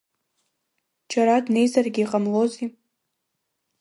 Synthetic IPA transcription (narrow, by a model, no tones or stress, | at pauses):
t͡ʃʰaɾadne̞jzarɡʲiːqʼamlo̞zi